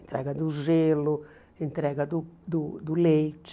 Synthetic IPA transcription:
nt̪ɾɛ̰ɡad̪uzelu | int̪ɾɛːɡad̪ud̪ud̪ulet͡ʃː

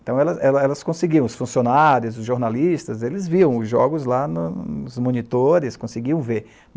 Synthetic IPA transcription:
t̪ɐ̃w̃ɛlɐɛlɐɛlɐskõseɡiɐ̃w̃ʊsfũsionaɾjʊzʊzʒoɾnalist̪ɐzelɪzviɐ̃w̃ʊzʒɔɡʊzlanʊʊzmõnit̪oɾɪskõseɡiɐ̃w̃veɾ

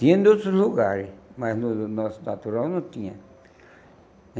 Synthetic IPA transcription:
t̪ĩẽnd̪ot̪ɾosluɣaɾesmaslunɔsnat̪uɾawnõt̪ĩã

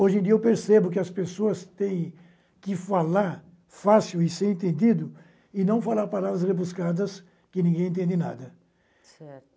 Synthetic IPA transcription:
oʒẽd̪iɐewpeɾsebʊkɪɐspesoɐst̪ẽj̃ | kɪfalaɾ | fasiwɪseɾẽnt̪ẽnd̪id̪ʊ | ɪnɐ̃w̃falaɾpalavɾɐsʁebuskad̪ɐs | kɪnĩŋɡẽj̃ẽt̪ẽnd̪ɪnad̪ɐ | sɛɾ

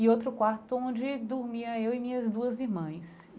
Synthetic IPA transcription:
ɪot̪ɾʊkwaɾt̪ʊõd͡ʒɪd̪uɾmiɐewɪmĩɲɐzd̪uɐziɾmɐ̃s

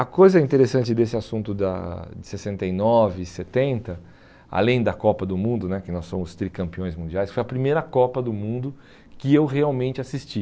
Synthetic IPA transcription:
ɐkojzɐĩnt̪eɾesɐ̃nt͡ʃɪd̪esɪasũnt̪ʊd̪ɐ̰d͡ʒɪsesẽnt̪ejnɔvɪset̪ẽnt̪ɐ | a̰lẽj̃d̪ɐkɔpɐd̪ʊmũnd̪ʊnɛkɪnɔsːõmʊst̪ɾikɐ̃mpiõj̃zmũnd͡ʒiajskfojɐpɾimejɾɐkɔpɐd̪ʊmũnd̪ʊ | kɪewheawmẽnt͡ʃɪasist͡ʃi

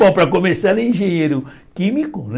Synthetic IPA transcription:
awpɾɐkomesalʊĩʒẽɲejɾʊ | kĩmikʊn

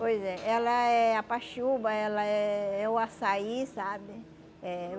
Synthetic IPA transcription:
pojzɛɛlɐɛapaʃubɐɛlɐɛɛʊasaisabɪ | ɛ

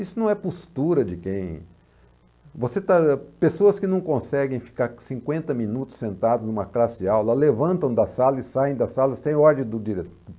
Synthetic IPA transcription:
isʊnɐ̃w̃ɛpost̪uɾɐd͡ʒɪkẽj̃ | voset̪apesoɐskɪnɐ̃w̃kõsɛɡẽj̃fi̥kaɾsĩŋkwẽnt̪ɐmĩnut̪ʊ̥sẽnt̪ad̪ʊznũmɐklasiawlɐlevɐ̃nt̪ɐ̃w̃d̪ɐsalɐɪsajẽj̃d̪ɐsalɐsẽj̃ɔɾd̪ẽj̃d̪ʊd͡ʒiɾet̪

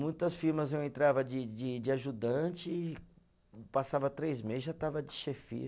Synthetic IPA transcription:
mũj̃t̪ɐsfiɾmɐzewẽnt̪ɾavɐd͡ʒɪd͡ʒɪd͡ʒɪaʒud̪ɐ̃t͡ʃɪ | pasavɐt̪ɾejzmezʒat̪avɐd͡ʒɪʃefḭ

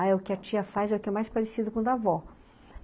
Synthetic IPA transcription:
aɛʊkɪɐt͡ʃiɐfazɛʊkɪɛmajspaɾesid̪ʊkõd̪avɔ

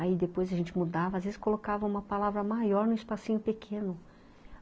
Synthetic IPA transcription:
aid̪epojzɐʒẽnt͡ʃɪmud̪avɐazvezɪ̥skolokavɐ̃ũmɐpalavɾɐmajɔɾnũispasĩɲʊpekʰẽnʊ

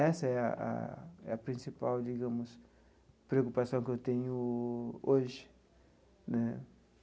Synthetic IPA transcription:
ɛsɐɛɐ̰a̰ɛ̰ɐpɾĩsipawd͡ʒiɡɐ̃mʊs | pɾeokupasɐ̃w̃kɪewt̪ẽɲʊ | oʒɪ̥ | nɛ

